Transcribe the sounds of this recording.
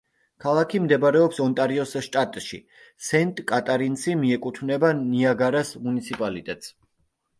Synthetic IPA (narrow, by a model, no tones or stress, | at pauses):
kʰalˠakʰimd̪ɛbaɾɛɔpsɔnt̪ʼaɾiɔsʃt̪ʼat̪ʼʃḭ | sɛnt̪ʼkʼat̪ʼaɾinsimiɛkʼut̪ʰvnɛbaniaɡaɾasmunit̪sʰipʼalit̪ʼɛt̪ʼs